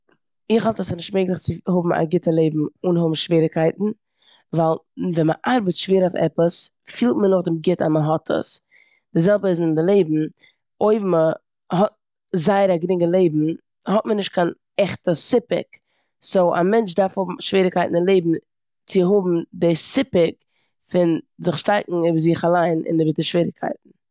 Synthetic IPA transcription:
ɪχɦɔlˠtəsnɪʃtmeɪɡlˠɪχt͡sɪhʊbm̩a̰ɡɪtəlˠeɪbm̩unɦʊbm̩ʃviːɾɪkaɪtn̩ | valˠvɛməʔaɾbətʃveːɾaʊfɛ̰pəs | fiːlˠtmənʊχdɪmɡɪtaməɦɔtʰə̰s | d̥ɪzɛlˠbəɪzɪndɪlˠeɪbm̩ | oɪbmə | ɦɔt̚ | zaɪəɾaɡɾɪŋɡəlˠeɪbm̩ | hɔtmənɪʃt̚kʰan | ɛχtəsɪpɪ̰k | soʊʔa̰mɛnt͡ʃdaɾfhʊbm̩ʃviːɾɪkaɪtn̩ɪnlˠeɪbm̩ | t͡sɪɦʊbm̩dɪsɪpɪk | fɪnzɪχʃtaɪkŋ̩ɪbzɪχalˠaɪnʔɪ̰nɪbɪtəʃv̥iːɾɪkʰa̰ɪtn̩

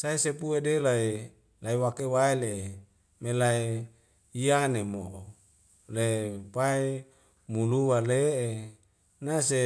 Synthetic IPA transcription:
saesepuedelae | laiwakewaileʔe | melae | ianemoʔo | lepae | muluwaleʔe | nase

